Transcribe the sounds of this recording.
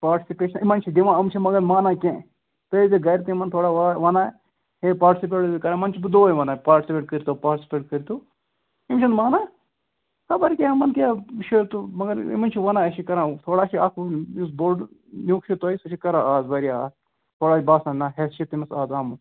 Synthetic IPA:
paːɾʈi̥sipeːʃɐnimɐnt͡ʃʰid̪iʋãːɐmt͡ʃʰimɐɡɐɾmaːnaːkʲẽː | pelʲd͡ʒ̪iɡɐɾit̪iimɐnt̪ʰoːɽaːʋaʋɐnaː | ɦepaːɾʈisip̬eːʈ̪ikɐɾãːmɐnt͡ʃʰibɨd̪oːiʋɐnaːpaːɾʈisipʲeːʈ̚kəɾit̪ʰopaːɾʈisʲi̥peːʈ̚kəɾit̪oː | imt͡ʃʰɐnmaːnaː | kɐbɐɾikʲeːmɐnkaːʃʰet̪umɐɡɐɾḭmɐnt͡ʃʰiʋɐnaːɐt͡ʃʰikɐɾãːt̪ʰoːɽaːt͡ʃʰiaːkʰisboɖnʲuːkʃʰit̪oːjisɐʃʰikɐɾãːaːzʋɐɾia̰ːz | t̪ʰoːɽaːt͡ʃibaːsɐnnaɦest͡ʃʰit̪imɐsaːzaːmu

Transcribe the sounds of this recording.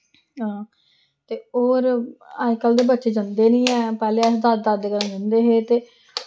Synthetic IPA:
ɦãː | t̪eːoːɾəd͡ʒkəld̪eːbətːʃeːd͡ʒənd̪eːnĩːɛːpɛːleːɛːsd̪at̪̚d̪at̪̚d̪eːkəɾə̃nd͡ʒənd̪eːɦeːt̪eː

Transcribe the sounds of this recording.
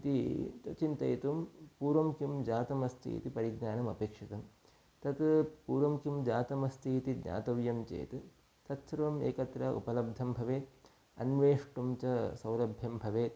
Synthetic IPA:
it̪it̪ɐt͡ʃint̪ɐ̰jt̪umpuːɾʋɐmkjumd͡ʒaːt̪ɐmɐst̪ʰḭːt̪ipɐɾiɡnaːnɐmɐpeːkʂit̪ɐm | t̪ɐt̪puːɾʋɐmkjumd͡ʒaːt̪ɐmɐst̪ʰiːt̪idɲa̰ːt̪ɐʋjɐmt͡ʃḛːt̪ | t̪ɐt̪ʃɾɐʋɐmḛːkɐt̪ɾɐṵpɐlɐb̚d̪ʱɐmbʱɐʋeːt̪ | ɐ̰nʋeːʂʈumt͡ʃɐsɐwlɐbʱjɐmbʱɐʋeːt̪̚

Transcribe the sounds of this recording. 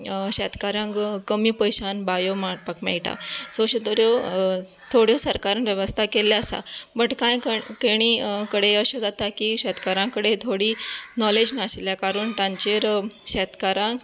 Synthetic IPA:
ɕɛt̪kaɾãŋkkəmiːpəjɕanbajomaɽpakmɛ̰ɭʈa̰soɕət̪oɾjo | t̪ʰoɽjosəɾkaɾanʋjəʋəst̪ʰakeljaəsa̰bəʈkãjkkeɽ̃iːkəɽeəɕəd͡zat̪akiːɕɛt̪kaɾãkəɽet̪ʰoɽiːnɔled͡znasiljakaɾuːɳt̪ãɲt͡ɕeɾɕɛt̪kaɾãk

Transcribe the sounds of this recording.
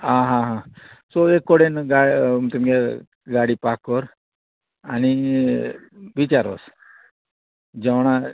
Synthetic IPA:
ɦãɦãɦãsɔekːɔɽenɡat̪umka | ɡaɽipakːɔɾ | añi | ʋit͡ɕaɾo̰s | d͡ʑɛʋɳ̃a

